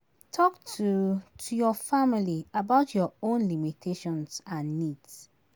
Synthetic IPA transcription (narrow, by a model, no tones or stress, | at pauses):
tʰɔktʰutʰujɔfamiliabaʊtʰjɔõnlimitʰeʃɔ̃nsãnːids